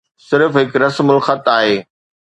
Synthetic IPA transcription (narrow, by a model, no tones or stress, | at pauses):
sɪɾfɦɪkɾɐsmʊlxɐt̪aːɦeː